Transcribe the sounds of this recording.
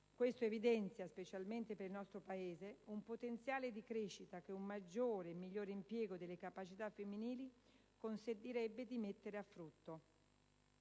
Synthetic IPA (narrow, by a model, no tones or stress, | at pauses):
kwest̪oevid̪ɛnt̪sjaspet͡ʃalment̪epeɾilnɔst̪ɾopaeːzeumpot̪ent̪sjaːled̪ikɾeʃːit̪ak̟eumːad͡ʒːoːɾeːmːiʎːoːɾeimpjɛːɡod̪elːekapat͡ʃit̪afːemːiniːli | konsent̪iɾɛbːed̪imet̪ːeɾeafːɾut̪ːo